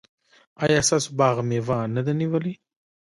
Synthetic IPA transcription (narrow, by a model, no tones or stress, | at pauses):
ɑjɑst̪ɑsobɑɣmewɑnad̪aniwəli